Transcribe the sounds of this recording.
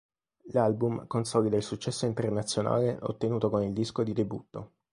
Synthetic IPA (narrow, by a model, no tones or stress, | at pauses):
lalbumkonsɔːlid̪ailsut͡ʃːɛsːoint̪ernat̪sːjona̰ːleʔo̰t̪ːenuːt̪okonild̪iskod̪id̪ebut̪ːo